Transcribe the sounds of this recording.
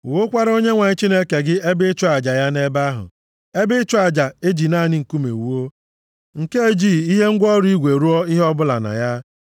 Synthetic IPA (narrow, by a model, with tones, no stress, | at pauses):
wo˦kʷa˦ɾo˦ɲe˦ŋʷa˨ɲɪ˦t͡ʃi˦ne˦ke˨ɡɪ˦e˦bɪ˦t͡ʃʊ˦a˨d͡ʒa˨ja˦ne˦ba˦ɦʊ̰˨ | e˦bɪ˦t͡ʃʊ˦a˨d͡ʒa˨e˦d͡ʒi˨na˦˨nɪ˦ŋ̩˨ku˦mḛ˨wu˦o˦ | ŋ̩˨ke˦e˦d͡ʒi˦˨i˦ɦe˦ŋ̩˦ɡʷɔ˦ɾʊ˦i˦ɡʷe˨ɾu˦ɔ˦i˦ɦɔ˦bʊ˦la̰˨na̰˨ja˦